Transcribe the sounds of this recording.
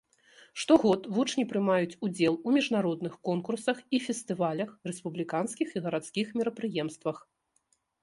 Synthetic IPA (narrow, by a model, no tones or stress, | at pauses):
ʂt̪ɔɣɔt̪vut͡ʂnʲipɾɨmajut͡sʲud͡zʲɛlˠumʲiʐnaɾɔd̪nɨxkɔnkursɐxifʲɛst̪ɨvalʲɐxrɛspublʲikanskʲixiɣɐɾat̪skʲixmʲɛɾɐpɾɨjɛmst̪vɐx